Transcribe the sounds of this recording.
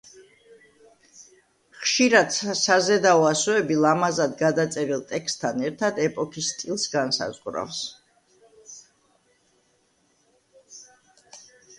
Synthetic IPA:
χʃiɾad̪̥sazɛd̪aɔasɔɛbilˠamazad̪ɡad̪at̪sʼɛɾilˠt̪ʼɛkst̪ʰanɛɾt̪ʰad̪ɛpʼɔkʰist̪ʼilˠsɡansa̰zʁɾa̰fs

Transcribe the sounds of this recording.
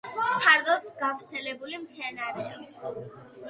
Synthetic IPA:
t̪ʰaɾd̪ɔd̪ɡavɾt̪sʰɛlɛbulimt̪sʰɛnaɾɛa

